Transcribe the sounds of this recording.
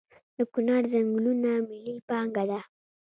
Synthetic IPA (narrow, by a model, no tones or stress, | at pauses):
d̪̥əkʊnɑɾzaŋɡlunamililpɑŋɡad̪a